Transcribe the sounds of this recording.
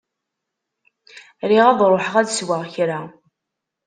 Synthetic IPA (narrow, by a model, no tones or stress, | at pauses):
ɾiʁæðˤɾˤoħəʁæðswəʁçɾa